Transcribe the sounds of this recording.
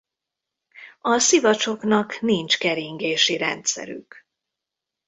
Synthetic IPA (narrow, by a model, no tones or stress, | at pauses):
ɒsivɒt͡ʃo̞knɒknint͡ʃkɛɾiŋɡeːʃiɾɛ̰nt̪sɛ̰ɾy̰k